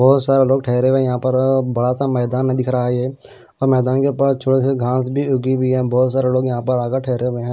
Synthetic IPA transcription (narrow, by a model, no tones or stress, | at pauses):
bɔːt̪saːɾeloːɡ̚ʈʰɛːɾeʋẽjɐɦãːpəɾbɐɽasamɛːd̪aːnːə̃d̪ɪkʰɾaiɛː | ɔːɾmɛːd̪aːnkepat͡ʃʰʊɽeseɡʱãːsbʱiʊɡibʱiɦɛ̃ːbɔːt̪saːɾeloːɡjɐɦãːpəɾaːɡəʈʰɛːɾeɦeɦɛ̃ː